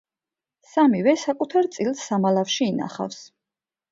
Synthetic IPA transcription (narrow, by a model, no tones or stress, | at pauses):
samivɛsakʼut̪ʰaɾt̪sʼilˠsːamalˠafʃiːna̰χa̰fs